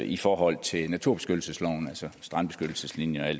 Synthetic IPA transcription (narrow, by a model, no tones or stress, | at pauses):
ifɒːɦɒ̽l̰t͡sʰe̝lnæt͡sʰuɐ̰̥e̝sɡ̥ødl̩səslɒʊ̰n̩ælsɒsd̥ʁɑ̈nb̥e̝sɡ̥ød̥l̩səslinjəæl̰